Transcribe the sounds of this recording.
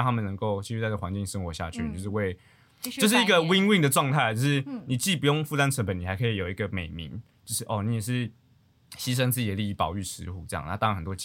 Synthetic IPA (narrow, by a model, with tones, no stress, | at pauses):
t̪ʰa˥mə˨nə˧˥ŋko˥˧ʊt͡ɕʰi˧˥˧y˥a˥˧ɪ˥˨wa˧˦nt͡ɕi˥˩ŋʂə˥nxwɔ˧˥˦ɕja̰˥˧t͡ɕʰy̰˥˨t͡ɕjo˥˧ʂɻ̩˥˧we˥˧ɪ | o˥˧ʊʂɻ̩˥˩i˧˥ɡə˨wi˥ŋwi˥˩ŋd̪ə˨˩ʈ͡ʂwɑ˥˧ŋt̪ʰa˥˧ɪt͡ɕjo˥˧ʊʂɻ̩˥˩ni˨˩t͡ɕi˥˩pu˧˥jo˥˧ŋfu˥˧˩t̪a˥nʈ͡ʂʰə˧˥npə˨˦ni˨˩a˧˥kʰɤ˧˥i˨˧˥jo˨˩i˧˦ɡə˨me˨˩ɪmḭ˧˦˥n | t͡ɕjo˥˧ʊʂɻ̩˥˩ʔɔ˥˩ni˧˥jɛ˨˩ʂ̬ɻ̩˥˩ | ɕi˥ʂ̬ə˥nt͡sɹ̩˥˧t͡ɕi˨˩d̪ə˦li˥˧i˥˩pɑ˨˩ʊy˥˩ʂɻ̩˧˥xṵ˧˩ʈ͡ʂɤ˥˧jɑ̰˥˩ŋna˥˧t̪a˥˩˧nxə˨˩nt̪wɔ˥t͡ɕ